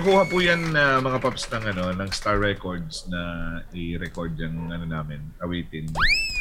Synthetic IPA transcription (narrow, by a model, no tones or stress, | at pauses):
kuːhɐpuːjanːɐmɐŋapɐpɐsnɐŋɐno̞nɐŋst̪aɹːɛkoɹd̪snɐʔɪɾɛkoɹd̪jɐŋʔɐnonaːmɪnʔɐwɛːt̪ɪn